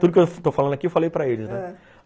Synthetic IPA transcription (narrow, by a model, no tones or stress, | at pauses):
t̪ud̪ʊket̪ofalɐ̃nd̪ʊɐkiewfalejpɾɐelɪznɛ